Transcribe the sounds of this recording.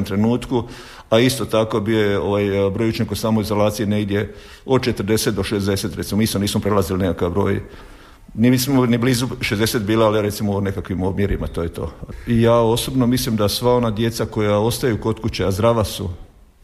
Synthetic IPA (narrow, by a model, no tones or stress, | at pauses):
mt̪ɾe̞nuːt̪ku | aist̪o̞t̪ako̞biojeo̞ʋajbɾojut͡ʃɲekosaːmo̞izo̞laːt̪sijeneɡd̪je̞ | o̞d̪̚t͡ʃe̞t̪ɾd̪e̞se̞t̪d̪o̞ʃezd̪e̞se̞t̪ɾe̞t̪simmiːsmoniːsmopɾelˠazilinekakabɾoːj | niet̪simoniblizuʃezd̪e̞set̪biːlaaliɾe̞t̪simoone̞kakʋimobmjeɾimat̪ojet̪o̞̰ːijaːo̞sobno̞mislimd̪asʋao̞nad̪je̞t̪sako̞jao̞st̪ajuko̞t̪kut͡ɕeazd̪ɾaʋasṵ